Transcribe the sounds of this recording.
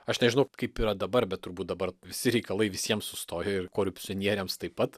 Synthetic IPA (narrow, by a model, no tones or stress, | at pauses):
ɐʃnʲɛʒʲɪnɐʊkɐɪpiːɾɐd̪ɐbɐɾbʲɛt̪̚t̪ʊɾbuːt̪̚d̪ɐbɐrʋʲɪsʲɪɾʲɛɪkɐlˠɐɪʋʲɪsʲiɛmssʊst̪oːjɛɪrkoːɾʲʊpʲt͡s̪ʲɪɔnʲiɛɾʲeːmst̪ɐɪpɐt̪